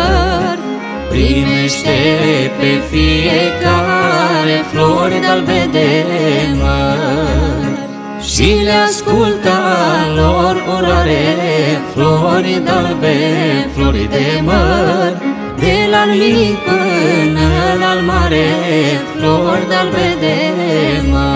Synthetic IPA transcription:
ɾ | pɾimisʈepefiekaɾefʰloɾid̪albed̪emə | ɾ | siljaskult̪alɔɾoɾaɾefʰloɾid̪albefloɾid̪eməɾ | d̪elalmikənəlalmaɾefʰloɾd̪albed̪emə

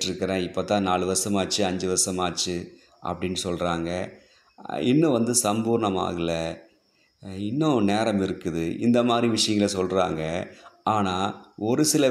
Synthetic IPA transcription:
ʈːɪɾɯkːɐɾẽːɪpːoːt̪ãːnaːɭɯʋɐɾsɐmaːt͡ʃːɯɐɲd͡ʒɯʋɐɾsɐmaːt͡ʃːɯ | ʔɐ̰pːɐɽɪnːɯsɔlɾaːŋɡɐ | ɪ̰nːʊ̃ʋɐnd̪ɯsɐmbuːɾɐɳɐma̰ːɣɪlɐ | ɪnːʊ̃neːɾɐmɪɾɯkːɯðɯʔɪ̰nd̪ɐmaːd̪ɾiʋɪʂɐjɐŋɡɐlsɔlɾa̰ːŋɡɐaːnaːɔɾɯsɪlɐ

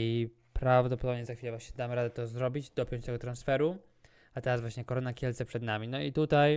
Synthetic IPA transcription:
i | pɾavd̪ɔpɔd̪ɔbɲɛzaxfʲilɛvwaɕɲɛd̪amɾad̪ɛt̪ɔzɾɔbʲid͡ʑd̪ɔpʲjɔ̃ɲt͡ɕt̪ɛɡɔt̪ɾansfɛɾu | at̪ɛɾazvwaɕɲɛkɔɾɔnakʲjɛlt̪sɛpʂɛd̪namʲinɔit̪ut̪aj

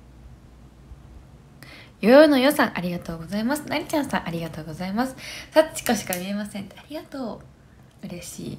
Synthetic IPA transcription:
joono̞jo̞sãŋ̃ʔaɾʲiɡat̪o̞ːɡo̞zaimasɨnaɾʲit͡ɕãɰ̃sã̰ŋ̃ʔaɾʲiɡat̪o̞ːɡo̞zaimasɨ̥sat͡ɕi̥kːaɕi̥kamʲie̞masẽ̞nt̪eaɾʲiɡat̪o̞ː | ɯ̟ɾe̞ɕḭː

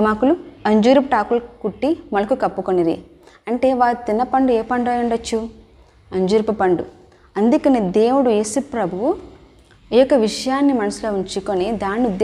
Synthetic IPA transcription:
maːkuluɐɲd͡ʒuːɾipuʈaːkulkuʈːimɐlɐkukɐpːukoniɾḭ | ɐɳʈe̞ːʋaːɾt̪inːɐpɐɳɖueːpɐɳɖoːjɐɳɖɐt͡ʃːu | ɐɲd͡ʒuːɾipupɐɳɖṵ | ɐnd̪ukɐnid̪e̞ːwuɽueːsupɾɐbʱuu | jɔkːɐʋiʂɐjaːnːimɐnɐsuloːuɲt͡ʃukonid̪aːnːiud̪

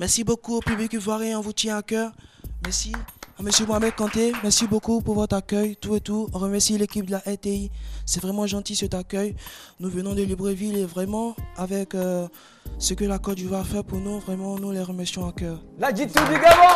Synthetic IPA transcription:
mɛʁsibokuopyblikyvwaʁeɔ̃vut̪jɛ̃akœːʁmɛʁsiɔ̃məsjømwamɛd̪̚kɑ̃t̪emɛʁsibokupuʁvɔt̪χakœjt̪uet̪uɔ̃ʁəmɛʁsilekʲip̚d̪əlaʔɛʁt̪eisɛvʁɛmɑ̃ʒɑ̃t̪isɛt̪akœjnuvənɔ̃d̪əlibʁevilevʁɛmɑ̃avɛkø | səkəlakɔʁd̪yvafɛʁpuʁnuvʁɛmɑ̃nulɛʁəmɛsjɔ̃akœːʁlad͡ʒit̪sud̪iɡavɔ̃

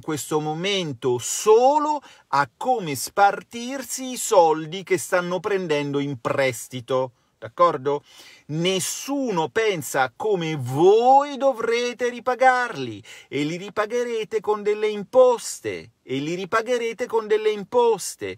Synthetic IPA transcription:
kwest̪omoment̪osoːlo | akːoːmespart̪irsiːsɔld̪ikest̪anːopɾɛnd̪ɛnd̪oimprɛst̪it̪o | d̪̥akːɔrd̪o | nesuːnopɛnsakːoːmevojd̪ovɾeːt̪eɾipaɡarlielːiɾipaɡeɾeːt̪ekond̪elːeimpɔst̪ḛː | lːiɾipaɡeɾeːt̪ekond̪elːeimpɔst̪ḛ

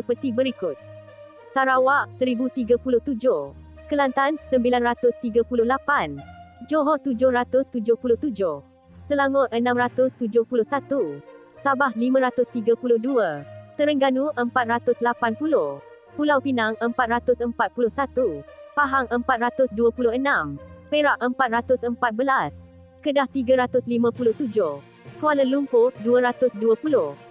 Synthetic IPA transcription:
səpərt̪ibəɾikʊt̪̚ | saɾawaʔsəɾibut̪iɡapulʊht̪ud͡ʒʊh | kəlant̪ansəmbilanrat̪ʊst̪iɡapulʊhlapand͡ʒoɦɔʔt̪ud͡ʒʊhɾat̪ʊst̪ud͡ʒʊhpulʊht̪ud͡ʒʊh | səlaŋɔʔənãmrat̪ʊst̪ud͡ʒʊhpulʊhsat̪u | sabahlimãɾat̪ʊst̪iɡapulʊhduat̪əɾəŋɡanuʔəmpat̪̚rat̪ʊslapanpulʊh | pulawpinaŋəmpat̪̚rat̪ʊsəmpat̪̚pulʊhsat̪upaɦaŋəmpat̪̚rat̪ʊsduəpulʊhənãmpeɾaʔəmpat̪̚rat̪ʊsəmpat̪̚bəlas | kədaht̪iɡaɾat̪ʊslimãpulʊht̪ud͡ʒʊh | kəaləlumpʊduəɾat̪ʊsduapulʊh

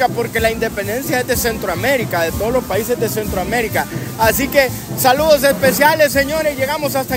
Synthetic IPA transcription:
apo̞ɾke̞laind̪e̞pe̞nd̪e̞nsjaezðese̞nt̪ɾoame̞ɾikaðe̞t̪o̞ðolo̞spaisezðe̞se̞nt̪ɾoame̞ɾika | asike̞ | saluðo̞sespe̞sjale̞sːeɲo̞ɾesiʝe̞ɣamo̞sast̪a

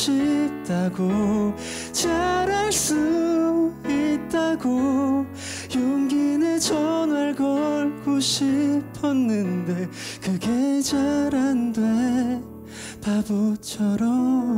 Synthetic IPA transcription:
ɕʰit͈aɡo | t͡ɕaɾaɭs͈u | it̚t͈aɡo | joŋɡinet͡ɕʌŋaɭɡʌɭkoɕʰipʰʌnːɯnde̞kɯɡe̞t͡ɕaɾandwe | pabot͡ɕʰʌɾʌm

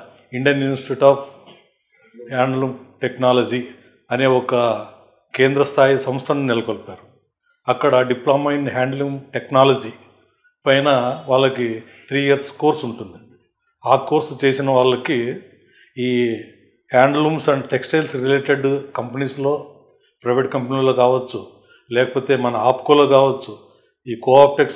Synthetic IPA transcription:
iɳɖijɐnjusʈʈiʈaːpʰ | haːɳɖlumʈeknaːlɐd͡ʒi | ɐneːɔkɐ | keːnd̪ɾɐst̪ʰaːjisɐ̃mst̪ʰɐnɐmnɛlɐkoɭpaːɾu | ɐkːɐɽɐɖiplaːmɐjnɦaːɳɖlumʈeknaːlɐd͡ʒi | pɐjnɐʋaːɭːɐki | t̪ʰɾiːjɐɾsko̞ːɾsuɳʈund̪i | aːkːoːɾst͡ʃeːsinɐʋaːɭːɐki | iː | haːɳɖluːmsɐɳʈeksʈɐjlsɾileːʈeɖkɐmpɐniːslo̞ː | pɾɐjʋeʈkɐmpɐniːlo̞ːkaːʋɐt͡ʃːu | lɛːkɐpoːt̪e̞ːmɐnɐaːpkoːloːkaːʋɐt͡ʃːu | iːkoːaːp̚ʈeks

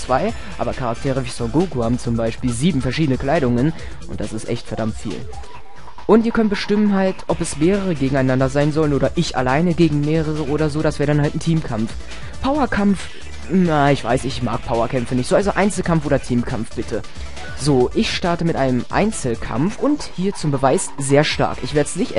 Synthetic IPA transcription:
t͡sv̥aɪ | ʔa̰ːbɐkʰaʁak̚tʰeːʁ̞əviːsfɔnɡoːɡuhaːbm̩nt͡sʊmbaɪʃpiːlziːbm̩fɛɐʃiːdənəkl̥aɪɾʊŋən | ʔʊ̰nt̚d̥a̰sɪstʔɛ̰çtfɛɐdamtfḭːl | ʔʊntiːɐkʰœnətb̥əʃtɪmənɦaltʰʔɔpɛsmeːʁəʁ̞əɡeːɡŋ̩aɪnandɐzaɪnzɔlənʔoːdɐʔɪça̰laɪnəɡeːɡŋ̩meːʁəʁ̞əʔoːɾɐzoːɾasvɛːɐədanhaltn̩tʰiːmkʰamf | pʰaʊɐkʰamf | naɪçv̥a̰ɪsɪçma̰ːk̚pʰaʊɐkʰɛmfənɪçtz̥oːʔalzoʔaɪnt͡sl̩kʰamfʔoːdɐtʰiːmkʰamfb̥ɪtʰə | zoːʔɪçʃtaɐtəmɪtʔaɪnəmʔa̰ɪnt͡sl̩kʰa̰mfʊnthiːɐt͡sʊmbəvaɪszeːɐʃta̰ɐkɪçv̥eːɐdsnɪçt

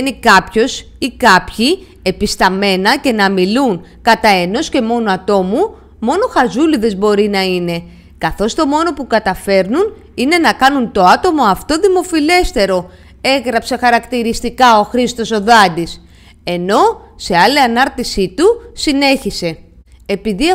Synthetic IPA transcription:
nikɐpço̞s | ikɐpçi | e̞pist̪ɐme̞nɐce̞nɐmiluŋkɐt̪ɐe̞no̞sce̞mo̞no̞ɐt̪o̞mu | mo̞no̞xɐzuliðe̞zbo̞ɾinɐine̞ | kɐθo̞st̪o̞mo̞no̞pukɐt̪ɐfe̞ɾnun | ine̞nɐkɐnunt̪o̞ɐt̪o̞mo̞ɐft̪o̞ðimo̞file̞st̪e̞ɾo̞ | e̞ɣɾɐpse̞xɐɾɐkt̪iɾist̪ikɐo̞xɾist̪o̞so̞ðɐd̪is | e̞no̞se̞ɐliɐnɐɾt̪isit̪usine̞çise̞ | e̞piði

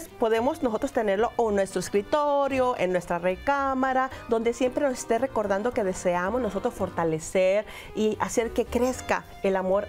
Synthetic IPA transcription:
spo̞ðe̞mo̞snoso̞t̪ɾo̞st̪e̞ne̞ɾlo̞ʔonwe̞st̪ɾoeskɾit̪o̞ɾjo̞ḛnːwe̞st̪ɾarejkamaɾad̪o̞nd̪e̞sje̞mpɾe̞no̞sest̪ere̞ko̞ɾðand̪o̞ke̞ðe̞se̞amo̞zno̞so̞t̪ɾo̞sfo̞ɾt̪ale̞seɾ | iase̞ɾke̞kɾe̞ska̰ | elamo̞ɾ

